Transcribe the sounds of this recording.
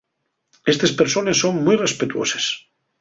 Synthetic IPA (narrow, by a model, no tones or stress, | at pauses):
est̪espeɾsonesːoŋmujrespet̪wo̰ses